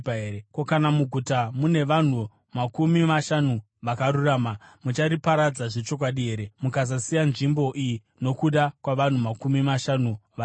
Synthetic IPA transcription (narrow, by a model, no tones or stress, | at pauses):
eekokanamuɡʱutamune̞ʋan̤u | makumimaʃanu | ʋakaɾuraːmamut͡ʃaɾipaɾad͡zaʐe̞t͡ʃo̞k̬waɗiɦe̞ːɾe̞mukazasijanʐimbo̞ʔiji | no̞kuɗakwaʋan̤umakumimaʃanuʋa